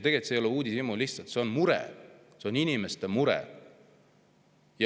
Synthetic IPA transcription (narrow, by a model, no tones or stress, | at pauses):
t̪e̞ɡ̥et̪sejo̞leuːd̪ʲisimuliht̪sɑlt̪se̞onmuɾɛ̰ | seo̞ninʲime̞st̪e̞muɾɛ̰ | jɑ